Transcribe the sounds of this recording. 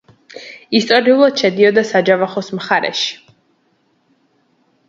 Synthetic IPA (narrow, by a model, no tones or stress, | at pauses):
ist̪ʼɔɾiulˠad̪̥ʃɛd̪iɔd̪asad͡ʒavaχɔsmχaɾɛ̰ʃi̥